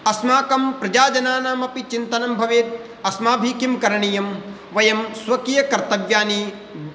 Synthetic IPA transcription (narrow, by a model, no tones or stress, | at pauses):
ɐsmaːkɐmpɾɐd͡ʒaːd͡ʒɐnaːnaːmɐpit͡ʃint̪ɐnɐmbʱɐʋeːt̪̚ | ɐsmaːbʱiːkjimkɐɾɐɳijɐm | ʋɐjɐmsʋɐkijɐkɐɾt̪ɐʋjaːni